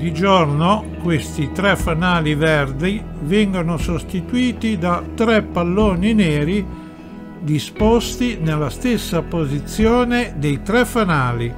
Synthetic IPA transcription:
d̪id͡ʒorno | kwest̪it̪ɾɛfːanaːlivɛrd̪i | vɛŋɡonosost̪it̪uiːt̪id̪at̪ɾɛpːalːoːnineːɾi | d̪ispɔst̪inelːast̪esːapozit̪sːjɔːned̪ejt̪ɾɛfanaːli

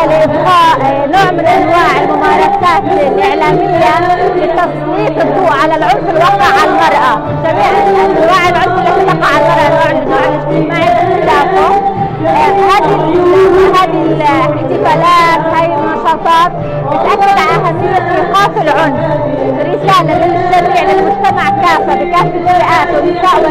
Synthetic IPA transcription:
libqɑːʔ | noːʕmɪnʔanwaːʕɪlmʊmɑːɾˤɑsaːt̪lʔɪʕlaːmɪjːalɪt̪ːɑsˤbiːfɨd̪ˤːuːʔʕalalʕʊnfɪlwɑːqːʕalmɑɾˤʔa | sabiːʔanʔanwaːʕɪlʕʊnfɪlːat̪ɪt̪ːɑqːɑʕalmɑɾˤʔɑnoːʕɪɪnaːʕɪlʔɪst̪ɪmaːʕɪlʔɪt̪ɪlɑːfa | haːd̪lamaɦaːd̪ɪlɪt̪ɪfaːlaːt̪haːjɪlnɑʃɑːt̪ˤɑːt̪̚ | bɪt̪ʔakːad̪aʔahasɪjːasiːqɑːfɪlʕʊnf | ʔɪrːɪsaːlalɪlɪsabiːʕlɪlmʊd͡ʒt̪amaʕkaːfabɪkaːtɪbɪrɪʔaːt̪wɪbɪaːʔwa

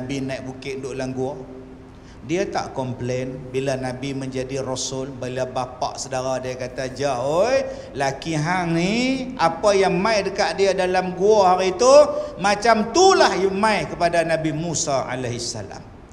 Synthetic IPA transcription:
nabinaik̚bukɪʔdʊʔlaŋɡua | diat̪a̰ʔkɔmplenbilanabiməɲd͡ʒadirosʊlbaliabapa̰ʔsədaɾadiakat̪ad͡ʒaoj | lakiɦaŋniapajaŋmajdəkaʔ̪diadalamɡuahaɾit̪umat͡ʃamt̪ulahjəmãjkəpadanabimusaa̰laɦisːa̰la̰m

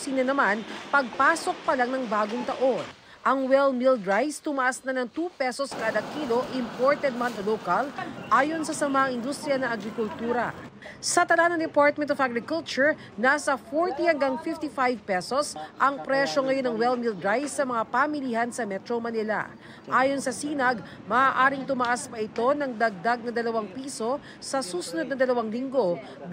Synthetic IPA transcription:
sinɐnɐmanpɐɡ̚paːso̞k̚pɐlaŋnɐŋbaːɡoŋt̪ɐʔo̞n | ʔɐŋwɛlmild̪ɹajst̪ʊmɐʔasnɐnɐŋt̪upɛsoskaːd̪ɐkiːlo̞ʔɪmpoɹt̪ɛd̪̚manolowkɐlʔaːjo̞nsɐsɐmaʔɐŋɪnd̪ust̪ɾijɐnɐʔɐɡɾɪkʊlt̪uːɾɐ | sɐt̪ɐlanɐŋd̪ɛpaɹt̪̚mɛnt̪ofaɡɾɪkʊlt͡ʃʊɹ | naːsɐfoɹt̪ihɐŋɡɐŋfɪft̪ifajvpɛsosʔɐŋpɾɛʃo̞ŋɐjonɐŋwɛlmild̪ɾajsːɐmɐŋapamɪliːhɐnsɐmɛt̪ɾomɐnɪlɐ̰ | ʔaːjo̞nsɐsiːnɐɡ | mɐaːʔaːɾɪŋt̪ʊmɐʔaspɐʔɪt̪o̞nɐŋd̪ɐɡ̚d̪aɡ̚nɐd̪ɐlɐwaŋpiːso̞ | sɐsuːsʊnod̪̚nɐd̪ɐlɐwaŋlɪŋɡo̞

